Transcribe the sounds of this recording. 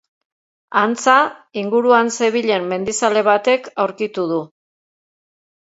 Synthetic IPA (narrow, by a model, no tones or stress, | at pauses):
ant͡saiŋɡuɾuanse̞β̞iʎe̞mːe̞nd̪isale̞β̞at̪e̞kawɾkit̪uð̞u